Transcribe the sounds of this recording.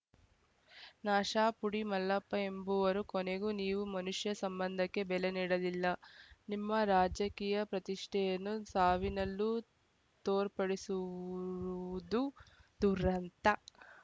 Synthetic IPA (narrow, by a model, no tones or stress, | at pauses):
naːʃaːpuɽimɐlːɐpːɐe̞mbuʋɐɾukoneɡuniːʋumɐnuʂjɐsɐmbɐnd̪ʱɐkːe̞bɛleniːɽɐd̪ilːɐnimːɐɾaːd͡ʒɐkiːjɐpɾɐt̪iʂʈʰɛjɐnːusaːʋinɐlːu | t̪oːɾpɐɽisuɾuud̪ud̪uɾɐnt̪ɐ